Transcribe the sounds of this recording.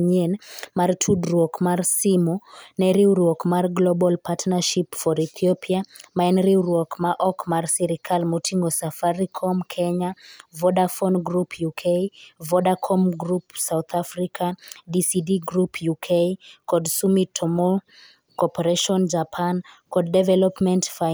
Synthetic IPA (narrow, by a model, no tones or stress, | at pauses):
ɲenmartʰudɾwɔkmarsimɔnɛɾiuɾwɔkmarɡlɔbɔlpatnaʃipfɔɾit̪ʰiɔpʰiamaɛnɾiwɾwɔkmaʔɔkmarsiɾikʰalmotʰiŋɡɔsafaɾikʰɔmkʰɛɲavɔdafɔnɡɾupʰjukʰejvɔdakʰɔmɡɾupsawt̪ʰafrikʰadisidiɡɾupʰjukʰekɔdsumitʰːɔmɔ | kɔpɔɾeʃɔnd͡ʒapʰankɔd̚dɛvɛlɔpmɛntfa